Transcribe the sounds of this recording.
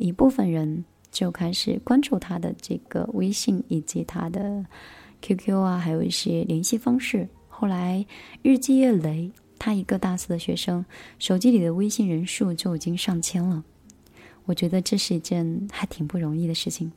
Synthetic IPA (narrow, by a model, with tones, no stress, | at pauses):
i˧˥pu˥˩fə˩nɻə˧˥n | t͡ɕjo˥˩ʊkʰa˥ɪʂɻ̩˨˩kwa˥nʈ͡ʂu˥˩t̪ʰa˥d̪ə˨ʈ͡ʂɤ̰˥˩ɡ̥ə̰˩we˥ɪɕi˥˩ŋi˨˩t͡ɕi˧˥t̪ʰa̰˥d̪ə˨kʰju˥kʰjo˥a˧xa˧˥ɪjo˨˩ʊi˥˩ɕjɛ˥ljɛ˧˥nɕi˥˧fɑ˥ŋʂɻ̩˥˩ | xo˥˩la˧˥ɪɻɻ̩˥˧t͡ɕi˥˧ɛ˥˩le˧˥ɪ | t̪ʰa˥i˧˥ɡə˧t̪a˥˩sɹ̩˥˩d̪ə˩ɕɥɛ̰˧˥ʂɤ˥ŋʂo˨˩ʊt͡ɕi˥li˨˩d̪ə˦we˥ɪɕi˥˩ŋɻə˧˥nʂu˥˧t͡ɕjo˥˩ʊi˨˩t͡ɕi˥ŋʂɑ˥˩ŋt͡ɕʰjɛ˥nlə˨ | wɔ˨˩t͡ɕɥɛ˧˥d̪ə˧ʈ͡ʂɤ˥˧ʂɻ̩˥˧i˥˩ʈ͡ʂə˥˧nxa˧˥ɪt̪ʰi˨˩ŋpu˥˩ɻʊ˧˥ŋi˥˩d̪ə˩ʂɻ̩˥˩t͡ɕʰi˨˩ŋ